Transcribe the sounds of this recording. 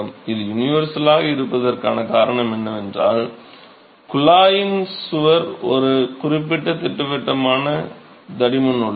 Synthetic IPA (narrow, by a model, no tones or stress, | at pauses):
mɪðɯjʊnɪʋɐɾsɐlaːɣɐɪɾɯpːɐðɐrkaːnɐkaːɾɐɳɐmɛnːɐʋɛndra̰ːl | kʊlaːjɪnsʊʋɐɾɔ̰ɾɯkʊrɪpːɪʈːɐt̪ɪʈːɯʋɛʈːɐmaːnɐ | d̪ɐɽɪmɐnɔɭːɐ